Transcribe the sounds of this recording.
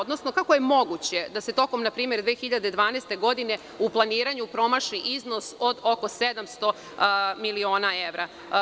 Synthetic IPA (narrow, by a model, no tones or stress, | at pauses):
od̪no̞sno̞kakoje̞mo̞ɡut͡ɕe̞d̪ase̞t̪o̞ko̞mnapɾiːme̞ɾd̪ʋeːxiʎad̪ed̪ʋaːneːst̪e̞ɡo̞d̪ine̞ | uplˠaniːɾaɲupɾo̞maʃiʔizno̞so̞d̪o̞ko̞sed̪amst̪o̞ | milio̞ːnaeʋɾa